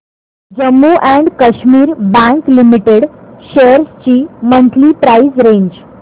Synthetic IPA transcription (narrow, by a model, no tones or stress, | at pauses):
d͡ʑəmːuʔæ̃ɳɖkəɕmiːɾbæ̃ŋklimiʈeɽʃeəɾst͡ɕiːmənt̪ʰlipɾaizɾẽɲd͡ʑ